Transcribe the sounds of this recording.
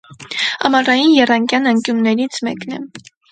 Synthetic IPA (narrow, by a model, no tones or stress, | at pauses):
ɑmɑrɑjinjɛrɑŋkjɑnɑŋkjumnɛɾit͡sʰmɛ̰knɛ̰